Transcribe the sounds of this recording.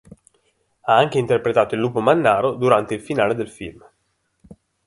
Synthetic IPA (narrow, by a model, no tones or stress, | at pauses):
aaŋk̟eint̪erpɾet̪aːt̪oilːuːpomanːaːɾod̪uɾant̪eilfinaːled̪elfḭlm